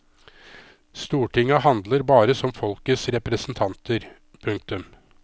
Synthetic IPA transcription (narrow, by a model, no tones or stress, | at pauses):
st̪uːʈʰɪŋɑhɑnd̪ləɾbɑːɾəsɔmfɔlkəsɾɛpɾəsn̩t̪ʰɑnt̪ʰəɾ | pʰɵŋk̚t̪ʉm